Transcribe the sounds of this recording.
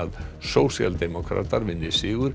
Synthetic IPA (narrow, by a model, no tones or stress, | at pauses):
aðsowsja̰ld̪ɛmɔkʰɾa̰t̪aɾvɪnd̪ɪsɪːɣʏɾ̥